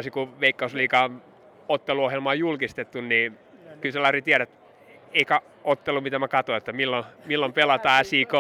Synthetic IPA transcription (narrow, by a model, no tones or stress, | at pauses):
sikuʋeikːɑusliːkɑ | ot̪ːeluohjelmɑːjulkist̪et̪ːunniː | kylselɑrit̪iæɾæt̪ | eikæ | ot̪ːelumit̪æmækɑt̪oet̪ːæmilːomilːompelɑt̪ɑːæsiːko